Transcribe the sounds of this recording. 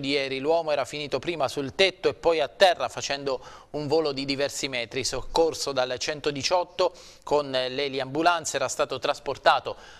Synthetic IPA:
d̪ijɛːɾilwɔːmoɛːɾafiniːt̪opɾiːmasult̪et̪ːoepːɔjat̪ːɛrːafat͡ʃɛnd̪ouɱvoːlod̪id̪ivɛrsimɛːt̪ɾisokːorsod̪alt͡ʃɛnt̪od̪it͡ʃɔt̪ːo | konleliambulant̪seɛːɾast̪aːt̪ot̪ɾasport̪aːt̪o

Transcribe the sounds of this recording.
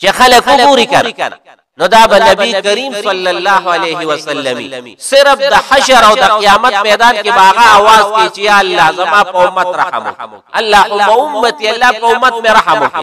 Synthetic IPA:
t͡ʃexɐlɐkupuɾikɐɾ | nod̪aːbɐnɐbikɐɾiːmsɐlːɐlːaːɦɐleːɦiwɐsɐlːɐmḭːsɪɾɐfd̪ɐħɐʃɐɾawd̪ɐqijaːmɐt̪̚meːd̪aːnkebɐaɣaawaːzk̪et͡ʃejaɐlːaːzɐmaːpɐʊmːɐt̪ɾɐhɐ̰mo̰ | ɐlːaːhʊmɐʊmːɐt̪iɐlːaːpɐʊmːɐt̪meɾɐɦɐmo

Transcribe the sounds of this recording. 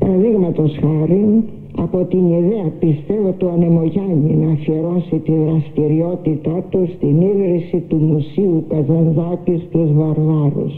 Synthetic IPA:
pɐɾɐðiɣmɐt̪o̞sxɐɾin | ɐ̰po̞t̪iniðeɐpist̪e̞vot̪oɐne̞mo̞ʝɐnvinɐːfieɾo̞sit̪iðɾɐst̪iɾio̞t̪it̪ɐt̪ust̪iniɣɾisit̪umusiukɐzɐnzɐkist̪uzvɐɾvɐɾṵs

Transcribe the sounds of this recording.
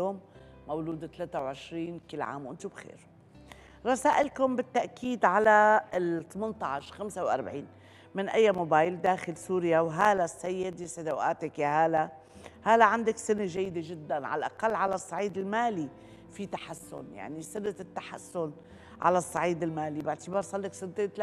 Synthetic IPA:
joːmː | awluːd̪t̪laːt̪awʕɪʃɾiːnkɪlːʕa̰ːmwʔɪnt̪ubxḛːɾ | ɾˤɑsaːʔɪlkʊmbɪt̪ːaʔkiːd̪ʕalat̪mɪnt̪ˤɑʕʃxamsawʔa̰ɾˤbʕiːn | mɪnʔajːamoːbaːjld̪aːxɪlsuːɾjawɦaːlasajːɪd̪ɪsad̪awʔaːt̪akjaɦaːla | haːlaʕand̪aksɪneʒajːd̪eʒɪd̪ːanʕa̰lʔa̰qalːʕalasˤːɑʕiːd̪ɪlmaːli | fit̪aħasːʊ̰nja̰ʕnisɪnːat̪ɪt̪ːḁħa̰sːʊn | ʕa̰lasˤːɑʕiːd̪ɪlmaːlibɪʕt̪ɪbɑːɾˤsˤɑlːɪksɪnt̪eːnt̪l

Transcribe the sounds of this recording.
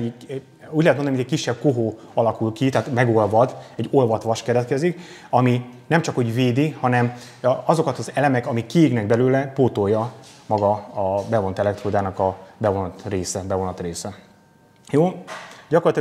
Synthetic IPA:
uːɟlɛt̪monnijɛcʲkiʃːɛb̚koɦoː | ɒlɒkulkit̪aːt̪mɛɡo̞lvɒd̪ɛɟːo̞lvɒt̪ʋɒʃkɛɾɛt̪kɛzik | ɒminɛmt͡ʃɒkhoɟveːd̪ihɒnɛm | ɒzo̞kɒt̪ɒzɛlɛmɛkɒmikːiiɡnɛɡ̚bɛløːlɛpoːt̪ojːɒmɒɡɒːbɛvo̞nt̪ɛlɛk̚t̪roːd̪aːnɒkɒbɛvo̞nɒt̪reːsɛbɛvo̞nɒt̪reːsɛ | joːɟɒkorlːt̪i

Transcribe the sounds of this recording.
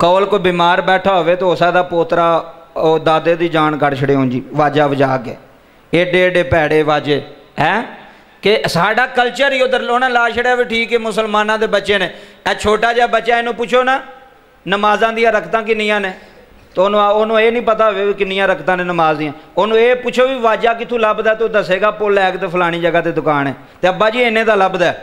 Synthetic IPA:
kɔːlkoːbiːmaːɾbɛːʈʰaːɦoːʋeːt̪eːosaːd̪aːpoːt̪ɾaːoːd̪aːd̪eːd̪iːd͡ʒaːɳkəɽt͡ʃʰəɽeːɦoːnd͡ʒḭːʋaːd͡ʒaːʋəd͡ʒaːkḛː | eːɖeːɖeːpɛːɽeːʋaːd͡ʒeː | ɛ̃ː | kɪsaːɖaːkəlt͡ʃəɾiːod̪əɾoːnãːlaːʃəɽeaːʋeːʈʰiːkɛːmʊsəlmaːnãːd̪eːbətːʃeːnẽːɛːt͡ʃʰoːʈaːd͡ʒːbətːʃaːeːnũːpʊt͡ʃʰoːnaː | nəmaːzãːd̪ijãːɾəkʰt̪ãːk̬ɪnːĩjãːneː | t̪oːnõːoːnũːeːnĩːpət̪aːoʋeːiːkɪnːɪjãːɾəkʰt̪ãːneːnəmaːzd̪ijãːoːnũːeːpʊt͡ʃʰoːʋiːʋaːd͡ʒaːkɪt̪ʰũːləbd̪ɛːt̪ːʊd̪aːseːɡaːpʊlɛːkt̪eːpʰəlaːɽ̃iːd͡ʒəɡaːt̪eːd̪ʊkaːnɛ̰ː | t̪eːəbːaːd͡ʒiːɪnẽːd̪aːləbd̪ɛː

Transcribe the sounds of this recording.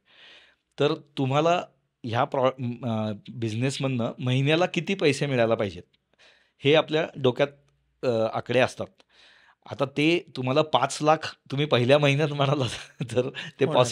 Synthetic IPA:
t̪əɾt̪um̤ala | ɦjapɾɔ | bid͡ʑnesm̤ənːəməɦinjalakit̪iːpəjsemiɭajlapaɦid͡ʑet̪ | heapljaɖokjat̪̚ | a̰kɽeəst̪at̪̚ | a̰t̪at̪et̪um̤alapãt͡slakʰt̪um̤iːpəɦiljaməɦinjat̪m̤əɽ̃alat̪t̪əɾt̪epas

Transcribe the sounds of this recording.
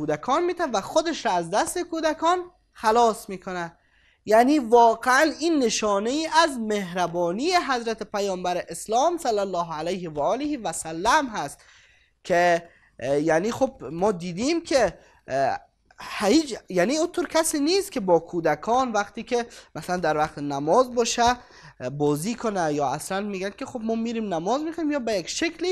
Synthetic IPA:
uːd̪ækʰɒːnmiːt̪ʰænvæxod̪eʃɾɒːæzd̪æst̪ekʰuːd̪ækʰɒːn | xælɒːsmiːkʰonæd̪ | jæːniːvɒːɡeæniːnːeʃɒːnejiːʔæzmehɾæbɒːniːjeɦæzɾæt̪ʰepæjɒːmbæɾeʔeslɒːmsælːælːɒːɦælæjhevæʔɒːlehivæsælːæmɦæst̪ | kʲʰe | janiːxob̚mɒːd̪iːd̪imkʰe | hhiːd͡ʒjaniut̪ʰoɾkʰʲæsiːniːst̪̚kʰebɒːkʰuːd̪ækʰɒnvaqt̪iːkʰemasaland̪æɾvaqt̪enæmɒzbɒːʃæ | bɒːziːkʰonæjɒːa̰slænmiːɡænkʲexobmɔːmiːɾiːmnæmɒzmixoiːmjɒːbæjekʃekli

